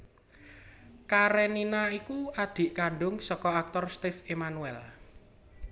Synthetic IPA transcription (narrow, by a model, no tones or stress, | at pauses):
kaɾeninaikuad̪̥i̤ʔkaɳɖʊŋsɔkɔak̚t̪ɔrst̪ɪfemanuɛl